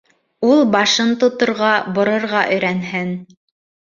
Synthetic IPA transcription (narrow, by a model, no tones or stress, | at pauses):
ulˠbɑʃɤnt̪ŏt̪ŏɾʁɑbŏɾŏɾʁɑʔɵ̆jɾænhɘn